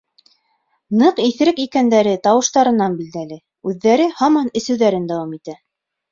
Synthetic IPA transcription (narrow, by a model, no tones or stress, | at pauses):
nɤqiθ̆ɾɘkikænd̪æɾɘt̪ɑwɤ̆ʃt̪ɑɾɤ̆nɑnbild̪ælɘ | ʉðːæɾɘhɑmɑnɘ̆sɘ̆wðæɾɘnd̪æwɑmit̪æ